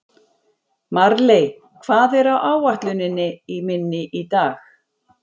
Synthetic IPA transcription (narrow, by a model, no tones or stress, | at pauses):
maɾlej | kʰv̥aːðɛɾawʔaːwaht̪lʏnɪnːɪimɪnːɪʔit̪aːx